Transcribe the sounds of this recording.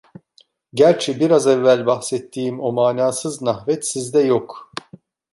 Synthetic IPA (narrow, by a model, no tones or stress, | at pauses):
ɟæɾt͡ʃʰɛbiɾazɛvːælʲbaxsɛt̪ʰːiːmo̞maːnaːsɯznahvɛt̪sizd̪ɛjo̞k